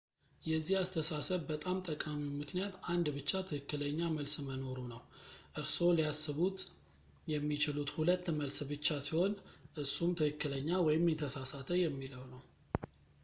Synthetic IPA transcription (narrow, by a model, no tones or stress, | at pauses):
jɛzːihast̪ʰəsasəβbət̪ʼamt̪ʼəkʼamiwmɨknijat̪and̪bɨt͡ʃːat̪ʰɨkɨkːɨləɲːaməlsməno̞ɾunəwʔɨɾso̞liasːɨβut̪ | jɛmːit͡ʃɪlut̪hulət̪ːməlsbɨt͡ʃːasiho̞nʔɨsːumt̪ʰɨkɨkːɨləɲːawɔjɪmjɛt̪ʰəsasat̪ʰəjɛmːiləwnəw